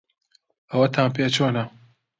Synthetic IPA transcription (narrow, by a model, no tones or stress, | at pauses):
ʔɐwɐt̪ʰaːmp̬eːt͡ʃoːnɐ